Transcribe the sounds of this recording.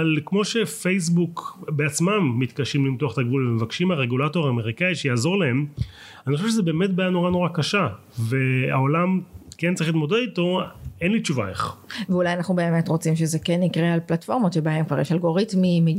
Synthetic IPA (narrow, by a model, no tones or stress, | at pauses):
alkmo̞ʃe̞fejs̬bukbeat͡smamːit̪kaʃimlimtuaχt̪aɡvulemevakʃimaʁeɡulato̞ʁaːme̞ʁikaiʃejaːzo̞ʁlahe̞m | aniχoeʃezebeːmetbajano̞ʁano̞ʁakaʃa | ve̞a̰o̞lamkent͡saʁiχlit̪mo̞dedito̞enlit͡ʃuva̰ḛχveulajanaχnube̞ːme̞tʁo̞t͡simʃezekenːikʁealplatfo̞ʁmotʃebaemkvaʁjeʃalɡo̞ʁitmimi